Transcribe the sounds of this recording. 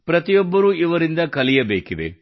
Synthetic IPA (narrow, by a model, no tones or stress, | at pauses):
pɾɐt̪ijɔbːɐɾuːiʋɐɾind̪ɐkɐlijɐbeːkid̪e̞̰